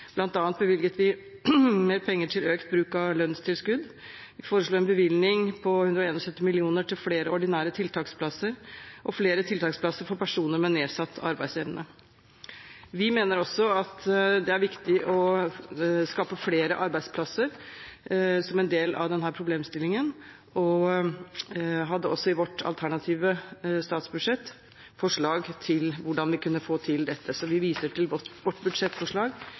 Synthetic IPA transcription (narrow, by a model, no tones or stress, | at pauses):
b̥lɑnt̪ɑːnt̪̚bəʋɪlɡət̪ʰʋɪ | meːɾpʰɛŋːəʈʰɪløːkt̪̚bɾʉːkɑlœnːst̪ʰɪlskʉd̪ | ʋɪfoːɾəʂɭuːɛnbəʋɪlnɪŋpʰɔhʉnd̪ɾɔeːnɔsœt̪ːɪmɪlɪuːnəʈʰɪlfleːɾəɔɖɪnæːɾət̪ʰɪlt̪ʰɑːkspʰlɑsːəɾʔɔfleːɾət̪ʰɪlt̪ʰɑːkspʰlɑsəɾfɔɾpʰæʂuːnəɾmɛnːeːsɑt̪ʰːɑ̰ɾbæɪseːʋnə | ʋɪmeːnəɾɔsɔɑt̪d̪ɛæɾʋɪkt̪ɪʔɔ | skɑːpəfleːɾəʔɑɾbæɪspʰlɑsəɾ | sɔmɛnd̪eːlɑ̰ʋd̪ɛnɦæːɾpʰɾʊbleːmst̪ɪlːɪŋən | ɔ | ɦɑd̪ːəɔsːɔɪʋɔʈːɑ̰lt̪ʰæɳɑt̪ʰiːʋəst̪ɑːt̪sbʉd̪ʂɛt̪ː | fɔʂɭɑːɡt̪ʰɪlʋʊɖɑnʋɪkʉnːəfoːt̪ʰɪld̪ɛt̪ʰːəsɔʋɪʋiːsəʈʰɪlʋɔʈːbʉd̪ʂɛt̪ːfɔʂɭɑːɡ